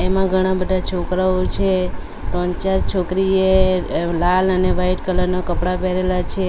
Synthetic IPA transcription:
emãɡʱəɽ̃ãbəd̪ʱat͡ʃʰokɾaot͡ʃʰe | ʈɔ̃ɲt͡ʃaɾt͡ʃʰokɾielaləneʋaiʈkələɾnakəpɽapeɾelat͡ʃʰe

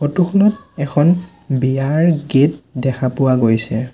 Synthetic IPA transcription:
xotuxʰɔnɔt̚ɛkʰɔn | biaɹɡet̚dɛkʰapʊwaɡojsɛ

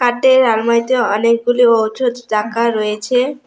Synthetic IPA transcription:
kaʈeɾalmajt̪eɔnek̚ɡuliowt͡ʃʰod̪d͡ʒakaɾɔjet͡ɕʰe

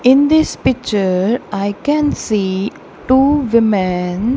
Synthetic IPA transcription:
ɪ̃nd̪ɪspɪk̚t͡ʃəɾaɪkɛ̃nsiː | ʈuːʋɪmɛ̃n

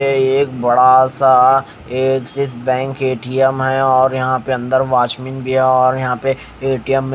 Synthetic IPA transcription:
eeːkbɐɽasa | eːksɪsbɛ̃ːŋkeːʈiəmɦɛɔːɾjɐɦãpeɐ̃nd̪əɾʋaːt͡ʃmiːnbʱiɦɛɔːɾjɐɦãpe | eːʈijəmː

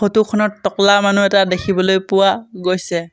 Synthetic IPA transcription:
xotukʰɔnɔtːɔklamanuɛtadekʰibɔlojpʊwaɡojsɛ

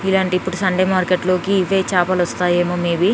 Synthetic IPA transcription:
ilaːɳʈipːuɽusɐɳɖeːmaːɾkeʈloːkiːʋeːt͡ʃaːpɐlɐst̪aːjeːmoːmeːbi

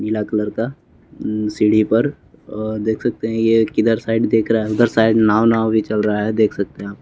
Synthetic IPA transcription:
mɪlakɐləɾka | siɽipɐɾ | d̪eːkʰsɐk̚t̪eɦɛ̃jekɪd̪əɾsaːɪɖd̪eːkʰɾɐɦaɦɛʊd̪əɾsaːɪd̪naːʋnaːʋbʱit͡ʃɐlɾɐɦaɦɛd̪eːkʰsɐk̚t̪eɦɛ̃aːp̚

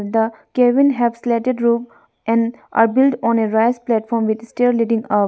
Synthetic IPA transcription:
d̪əkɛʋɪ̃nɦɛʋslɛʈeɖɾup | ʔɛ̃nʔa̰bɪlʈɔ̃neɾaɪsplɛʈfɔːɾmʋid̪sʈiɾliɖĩŋʌ

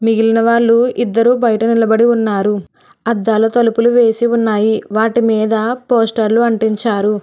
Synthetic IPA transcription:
miɡilinɐʋaːɭːuid̪ːɐɾuːbɐjɐʈɐnilɐbɐɽiunːaːɾu | ɐd̪ːaːlɐt̪ɐlupuluʋe̞ːsiunːaːjiʋaːʈimiːd̪ɐpoːsʈɐɾluɐɳʈiɲt͡ʃaːɾu

